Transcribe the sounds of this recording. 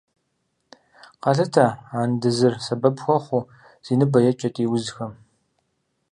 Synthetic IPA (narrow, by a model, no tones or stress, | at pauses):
qɑɬɐtʰaːaːndɨzɨrsɐbɐbxʷɔχʷʊ | z̥iːnɨbɐjɛt͡ʃʼɐtʼiːwʊzxɐm